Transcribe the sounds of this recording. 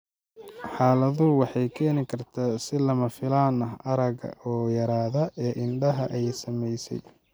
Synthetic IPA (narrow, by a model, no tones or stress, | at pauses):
ħɑːlɐðʊwɑħɑjkʰɛːnɪkʰɐrt̪ʰaːsɪlɐmɐfɪlaːnɐɦɐɾɐɣɐ̰ɔːjɐɾaːðɐʔɛːʔɪnɖɐɦɐʔɛjsɐmɛjsɛ̰j